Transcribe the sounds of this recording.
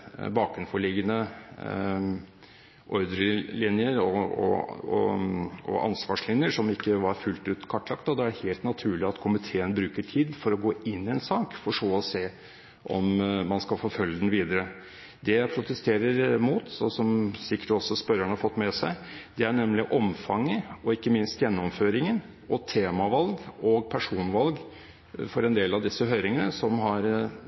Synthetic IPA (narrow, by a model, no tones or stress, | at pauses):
bɑːkʉnfɔɭɪɡənə | ʔɔʏd̪ɾəlɪnjəɾɔɔ̰ɔ̰ | ɔ̰ʔɑ̰nsʋɑːʂlɪnjəʂɔmɪkːəʋɑɾfʉlt̪ʉːt̪kʰɑʈːlɑkt̪ɔd̪ɛæɖɛheːlt̪nɑt̪ʰʉːɭɪɑt̪kʰʊmɪt̪ʰeːənbɾʉːkəʈʰiːd̪fɔɾɔɡoːʔɪnːɪɛnsɑːkfɔʂoːɔseː | ʔɔmmɑnskɑlfoːfœljəd̪ɛnʋiːd̪əɾə | d̪ɛjæpʰɾʊt̪ɛst̪ʰeːɾəɾmuːt̪ɔsɔmsɪkːə̥ʈɔsːɔspœɾəɳhɑfɔt̪ːmɛsæɪd̪ɛæɳɛmlɪʔɔmfɑŋːəɔɪkːəmɪnst̪jɛnːɔmføːɾɪŋən | ɔt̪ʰeːmɑʋɑlɡɔɡ̚pʰæʂuːnʋɑlɡ | fɔɾɛnd̪eːlɑʋd̪ɪsːəɦøːɾɪŋənəsɔmɦɑɾ